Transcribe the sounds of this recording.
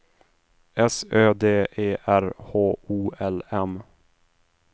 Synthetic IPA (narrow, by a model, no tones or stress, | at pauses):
ɛsøːd̪eːʔeːʔæɾhoːuːʔɛlɛm